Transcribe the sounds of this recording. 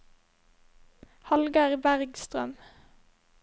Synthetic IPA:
hɑlɡɑʁbæʁɡst̪ʁœ̰m

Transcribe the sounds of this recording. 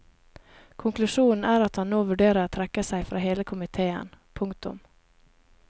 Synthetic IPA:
kʰʊŋklʉʃuːn̩æːɾɑt̪hɑnnːoːʋʉɖeːɾəɾot̪ʰɾɛkəsæɪfɾɑ̰ːheːləkʰʊmɪt̪ʰeːə̰npʰʊŋt̪ʊ̰m

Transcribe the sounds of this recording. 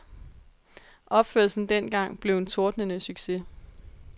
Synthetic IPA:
ʔɒ̽b̥føɐ̰lsn̩d̥en̰ɡ̥ɑ̈ŋ̰b̥le̝ʊe̝nt͡sʰo̝ɐd̥nənəsyɡ̥se̝

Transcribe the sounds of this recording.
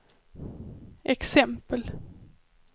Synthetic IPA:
ʔɛksɛmpəl

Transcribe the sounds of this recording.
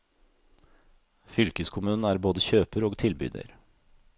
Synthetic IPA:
fʏlkəskʰʊmʉːnn̩æːɾboːd̪əçøːpəɾoːɡt̪ʰɪlbʏ̰d̪ə̰ɾ

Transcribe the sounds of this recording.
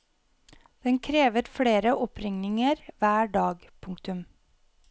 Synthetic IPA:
d̪̥ɛŋkʰɾeːʋəɾfɽeːɾəʔɔpʰɾɪŋnɪŋəɾʋæːɖɑːɡpʰʊŋkt̪ʉm

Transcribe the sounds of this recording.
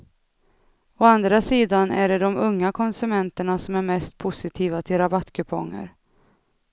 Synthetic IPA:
ɔand̪ɾasiːd̪anæɖɛd̪ɔmɵŋːakʰɔnsɵmɛnt̪əɳasɔmæɾmɛst̪̚pʰʊsɪt̪ʰiːvat̪ʰɪlɾabat̪ːkʰɵpʰɔ̰ŋːə̰ɾ

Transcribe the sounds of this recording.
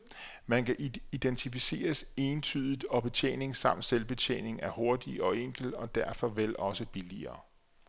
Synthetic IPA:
mænkæʔid̥ent͡sʰifise̝̰ːɐse̝ːnt͡sʰy̰ːð̞ˠid̥ɒ̽b̥e̝t͡ɕʰḛːne̝ŋsɑ̈m̰d̥selb̥e̝t͡ɕʰḛːne̝ŋæɐho̝ɐd̥iɒ̽eŋ̰ɡ̥l̩ɒ̽d̥æɐfɒ̽ʋel̰ʔɒ̽səb̥iliɐː

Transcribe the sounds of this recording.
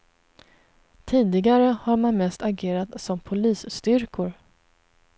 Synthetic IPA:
t̪ʰiːd̪ɪɡaɾəhaɾmanmɛst̪aɡeːɾat̪sɔmpʰʊliːsst̪ʏɾkʰʊɾ

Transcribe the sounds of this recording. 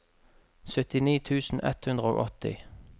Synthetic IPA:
sœt̪ɪniːt̪ʰʉːsn̩ʔɛ̰t̪hʉnd̪ʁəo̰ːʔɔt̪ɪ̰

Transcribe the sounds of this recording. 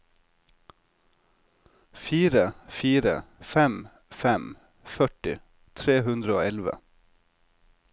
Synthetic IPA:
fiːɾəfiːɾə̰fɛm | fɛm | fœʈɪ | t̪ʰɾeːhʉnd̪ɾəoːɛlʋə̰

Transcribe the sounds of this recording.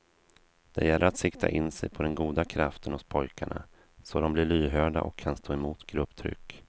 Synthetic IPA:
d̪̥ɛ̰jɛlʔəɾat̪sɪkt̪ʰa̰ʔɪnsɛjpʰɔd̪ɛnɡuːd̪akʰɾaft̪ʰənhʊspʰɔjkaɳa̰ | sɔd̪ɔmblɪɭyːɦœːɖa̰ʔɔkʰːanst̪ʰoːɛmuːt̪ɡ̥ɾɵpːt̪ʰɾʏ̰kː

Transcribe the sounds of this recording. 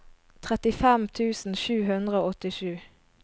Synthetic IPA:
t̪ʰʁɛt̪ɪfɛmt̪ʰʉːsn̩ʃʉːɦʉnd̪ʁəoːɔt̪ɪʃʉː

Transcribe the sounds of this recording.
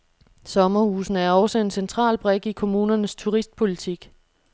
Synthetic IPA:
sɒ̽mɐhuːsn̩æɐɒ̽sɒe̝nsent͡sʰʁɑ̰̈ːlb̥ʁɛɡ̥ikʰo̝muːnɐnəst͡sʰuʁisd̥̚pʰo̝lit͡sʰiɡ̥

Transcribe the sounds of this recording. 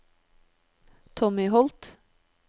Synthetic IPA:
t̪ʰɔmɪɦɔlt̪

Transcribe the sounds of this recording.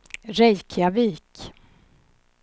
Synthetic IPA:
ɾɛjkʰjaviːk

